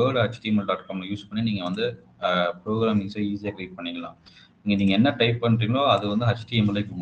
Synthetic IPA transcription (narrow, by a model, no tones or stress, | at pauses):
əːɖɦɐt͡ʃʈiɛmɐlɖaːʈkaːmlɐjuːspɐɳːiniːŋɡɐʋɐnd̪ɯ | pɾoːɡɾaːmɪŋsɐiːsijaːɡɪɾiːɖ̚pɐɳːɪŋɡɐlã̰ː | ɪŋɡɐniːŋɡɐɛnːɐʈɐɪpːɐɳːɾiːŋɡɐɭoːɐðɯʋɐnd̪ɯɦɐt͡ʃːʈiɛmɐlɐkːɯm